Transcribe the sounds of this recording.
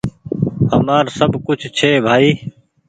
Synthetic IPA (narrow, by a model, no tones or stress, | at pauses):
həmaːɾsəbkʊt͡ʃʰt͡ʃʰeːbʱaːiː